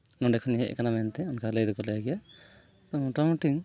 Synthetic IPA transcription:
nɔɳɖɛkʰuniɦɛʔkanamɛnt̪ɛɔnkalejd̪ɔkɔlɛjaɡɛja | t̪ɔʈɔmʈiŋ

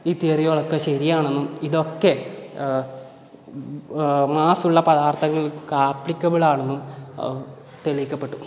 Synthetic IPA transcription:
iːt̪ːiːrijoːɭokːeɕɐɾijaːɳe̞nːumiðo̞kːe̞ | maːsuɭːɐpɐðaːrt̪ʰɐŋːɐɭkaːpɭikʲːɐbiɭaːɳenːum | t̪eɭiikʲːɐpːe̞ʈːu

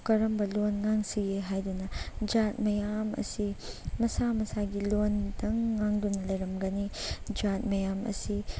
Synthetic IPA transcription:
kɐɾɐmbɐlonŋaŋsiɡeɦajdunɐd͡ʒat̚mɐjamɐ̰simɐsamɐsaɡilondɐŋːaŋdunɐlɐjɾɐmɡɐnid͡ʒat̚mɐjamɐ̰si

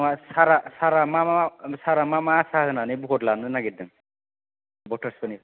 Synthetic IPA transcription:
asaɾasaɾamamaasaɾamamaːsaɦɯnanajbukoʈlanɯnaɡit̪̚d̪əŋ | bɔʈʰəɾsoni

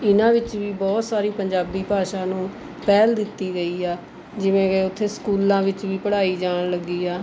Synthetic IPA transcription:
ɪnãːʋɪt͡ʃʋiːbɔːt̪saːɾiːpəɲd͡ʒaːbiːpaːʃaːnũː | pɛːld̪ɪt̪ːiːɡəiːaː | d͡ʒɪʋẽːkeːʊt̪ʰːeːskuːlãːʋɪt͡ʃʋiːpəɽaːiːd͡ʒaːɳləɡːiːaː

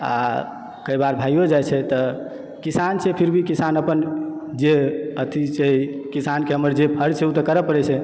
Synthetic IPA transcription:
a̰ | kəibaɾbʱaijod͡ʒajt͡ʃʰɛt̪ə | kisant͡ʃʰɛpʰiɾbʱikisanəpənd͡ʒeət̪ʰit͡ʃekisankeɦəməɾd͡ʒepʰəɾt͡ʃʰɛut̪əkəɾəpəɾɛt͡ʃʰɛ

